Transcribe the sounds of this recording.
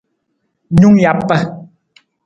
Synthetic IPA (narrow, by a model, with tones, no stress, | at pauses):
ɲu˦ŋja˨˦pːə˦